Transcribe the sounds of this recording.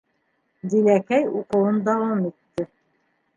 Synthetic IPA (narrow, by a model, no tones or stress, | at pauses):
d̪ilækæjuqɤ̆wɤnd̪ɑwɑmit̪ːɘ